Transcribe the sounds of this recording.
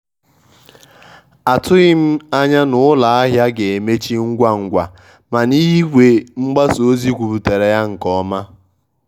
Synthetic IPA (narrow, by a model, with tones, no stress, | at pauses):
a˨tʊ˦ɣɪ˦m̩˦a˦ɲa˦nʊ˦la˨a˦ɦja˦ɡe˨e˨me˦t͡ʃi˦ŋ̩˦ɡʷa˦ŋ̩˨ɡʷa˨ | ma˨ni˦ɦi˦ɡʷe˨ŋ͡m̩˦ɡ͡ba˦so˦zi˦kʷu˨bu˨te˨ɾe˨ja˦ŋ̩˨kɔ˦ma˦